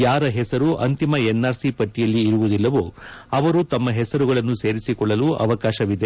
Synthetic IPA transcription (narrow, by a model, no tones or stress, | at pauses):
jaːɾɐɦɛsɐɾuʔɐnt̪imɐenːaːɾsipɐʈːijɐlːiːɾuʋud̪ilːɐʋuːɐʋɐɾut̪ɐmːɐɦɛsɐɾuɡɐɭɐnːuse̞ːɾisikɔɭːɐluʔɐ̰ʋɐkaːʃɐʋid̪e